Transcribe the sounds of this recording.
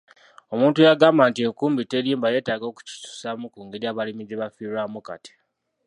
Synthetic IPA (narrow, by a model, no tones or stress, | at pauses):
o̞muːntujaɡaːmbantieŋkuːmbiteɾiːmbaje̞ːtaːɡo̞ːku̥ci̥su̥samukuːŋɡeɾjaːβalimiɟeβafiɾwaːmuka̰ti̥